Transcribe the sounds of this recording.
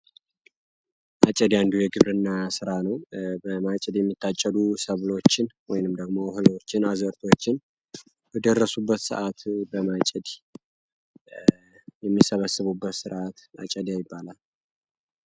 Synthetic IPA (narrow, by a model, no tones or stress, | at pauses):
ʔat͡ʃʼɛd̪jand̪ujɛɡɨβɾɨnːasɨɾanəwbəmat͡ʃʼɛd̪jɛmːit̪ʰːat͡ʃʼːəlusəβlo̞t͡ʃːɪnwɔjnɨmd̪əɡmo̞hɨlot͡ʃːɪnazəɾt̪ʰo̞t͡ʃːɪn | b̥əd̪ərːəsubːət̪sɨ̰ʔat̪bəmat͡ʃʼɛd̪ | jɛmːisəβəsɨβubːət̪sɨɾʔat̪a̰t͡ʃʼəd̪jajɪbːalal